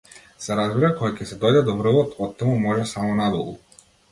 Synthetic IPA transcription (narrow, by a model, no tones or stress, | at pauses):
sɛɾazbiɾakɔjacɛsɛd̪ɔjd̪ɛd̪ɔvr̩lˠɔt̪ɔt̪ːamumɔʒɛsamɔnad̪ɔlˠṵ